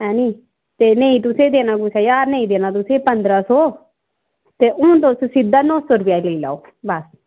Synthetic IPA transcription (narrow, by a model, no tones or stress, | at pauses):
ɦɛːniː | t̪eːnẽĩːt̪̬ʊsẽːd̪eːnaːkʊsɛːjaːɾnẽĩːd̪eːnãːt̪ʊsẽːpənd̪ɾaːsoː | t̪eːʔʊ̃ːt̪oːssɪd̪aːnɔ̃ːsoːɾʊpjaːlella̰ːoː | bəs